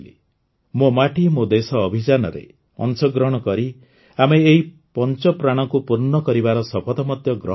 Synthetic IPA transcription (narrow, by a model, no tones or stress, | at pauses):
li | momaʈimod̪esɔːbʱid͡ʒanɔɾḛ | ɔ̰nt͡ʃɔɡɾɔɽ̃ɔkɔɾi | ameːɦi | pɔnt͡ʃɔpɾaɽ̃ɔkupuɾnɔkɔɾibaɾɔsɔpʰɔt̪ɔmɔt̪jɔɡɾɔ̰